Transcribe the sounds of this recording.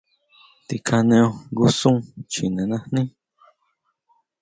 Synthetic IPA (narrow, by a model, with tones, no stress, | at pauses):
t̪i˧˨kʰã˧nẽ˧õ˧ɡu˦sũ˦t͡ʃi˨nẽ˨nã˧hnĩ˦